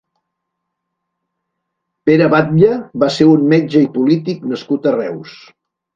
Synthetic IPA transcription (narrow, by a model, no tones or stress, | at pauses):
peɾəβat̪̚ʎəβaseɾunmed͡ʒəipulit̪iknəskut̪ərɛws